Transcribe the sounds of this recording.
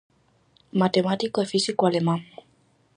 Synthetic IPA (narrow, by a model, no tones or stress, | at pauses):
mat̪emat̪ikəfisikwalemam